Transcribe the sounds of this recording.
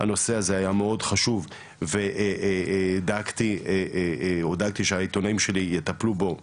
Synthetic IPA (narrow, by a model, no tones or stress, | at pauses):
ha̰no̞se̞aze̞ajameo̞dχaʃuv | veʔʔd̪aɡt̪i | od̪aɡ̚t̪iʃeait̪o̞naimʃe̞lijet̪aplubo̞